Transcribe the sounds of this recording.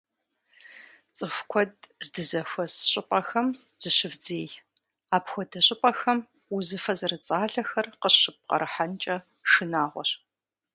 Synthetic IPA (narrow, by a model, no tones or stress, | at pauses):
t͡sʼɨxʷkʷʰɔdzdɨzɐxʷɔsɕʼɪpʼɐxɐm | z̥ɨɕɨvd͡zeːj | aːpxʷɔdɐɕʼɪpʼɐxɐm | uzɨfɐzɨrɨt͡sʼaːɮɐxɐrqəɕɪp̚qɐ̰ɾɨħant͡ʃʼɐ | ʃɨnaːʁʷɔ̰ɕʼ